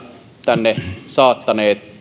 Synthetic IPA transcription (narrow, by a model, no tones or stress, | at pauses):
t̪ænːesɑːt̪ːɑneːt̪